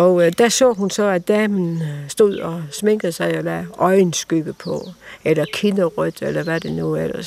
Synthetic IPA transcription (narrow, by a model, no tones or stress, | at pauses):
ɒ̽d̥æsɔ̰ːɦunsɒ̽æd̥ɛːmn̩sd̥o̝ð̞̰ˠɒ̽sme̝ŋ̰ɡ̥ð̩ˠsɑ̈ɪɒlæːʔɒ̽ɪnsɡ̥yb̥əpʰɒ̽elɐkʰinəʁœd̥elɐʋæɐd̥enuelɐs